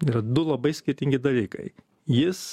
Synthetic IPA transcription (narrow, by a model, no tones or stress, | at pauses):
iːɾɐd̪ʊlˠɐbɐɪsʲkʲɪɾʲt̪ʲɪŋʲɡʲɪd̪ɐlʲiːkɐ̰ɪ | jɪs